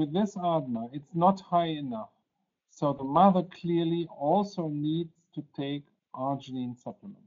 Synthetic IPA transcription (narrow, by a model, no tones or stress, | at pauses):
wɨðɪsɑdⁿnəɪtsnət̚haɪɨnʌf | soʊðəmʌðə˞kʰl̥ɪɹliɔlˠsoʊnidz̥tʰɨtʰeɪk | ʔɑd͡ʒɨnĩnsʌpʰləmə̰̃nt